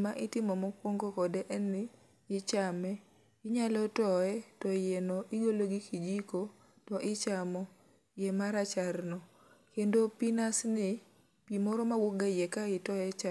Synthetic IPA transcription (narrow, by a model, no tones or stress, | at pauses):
maʔɪtɪmɔmɔkwoŋɡokɔdɛʔɛnɪ | ɪt͡ʃamɛ | ɪɲalɔtɔɛtɔjɛnɔʔɪɡoloɡikid͡ʒiko | tɔʔɪt͡ʃamɔ | jɛmaɾat͡ʃaɾnɔ | kendopinasnɪ | pimɔɾɔmawoɡajɛkaɪtɔɛt͡ʃa